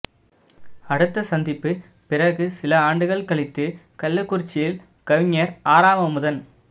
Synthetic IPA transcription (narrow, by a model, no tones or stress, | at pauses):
ɐɽɯt̪ːɐsɐnd̪ɪpːɯ | pɪrɐɣɯsɪlɐaːɳɖɯɣɐɭkɐɭɪt̪ːɯkɐlːɯkːʊɾt͡ʃːɪjɪl | kɐʋɪɲːɐɾaːɾaːmɐmʊðɐn